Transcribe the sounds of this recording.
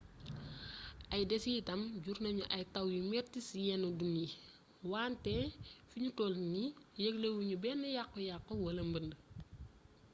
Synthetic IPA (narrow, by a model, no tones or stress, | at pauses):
ʔɐjdɛsitɐmɟuɾnɐɲuʔɐjtɐwjimɛtisijɛnodunji | waːntɛfiɲutɔlnijəɡlewuɲubɛnːɐjakːɔjakːɔwɐlɐmbəndə